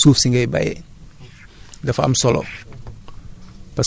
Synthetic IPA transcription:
suːfsiŋɡɐjba̰jɛ̰ | dɐfɐ̰msɔlɔ̰ | pɐs

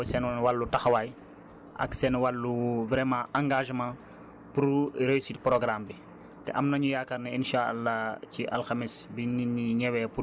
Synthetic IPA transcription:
sɛnnwalːutɐxwaj | ʔɐ̰ksɛnwalːuvɾɛmãʔãŋɡaʒmãː | puɾɾeisit̚pɾɔɡɾambi | tɛ̰ʔɐmnɐɲujakɐɾnɛinʃaa̰lːaciʔɐlxamisbininiɲɛwɛpu

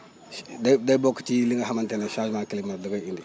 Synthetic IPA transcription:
dadabokːtiliŋɡaɦamanteneʃad͡ʒmakilimadoɡaindi

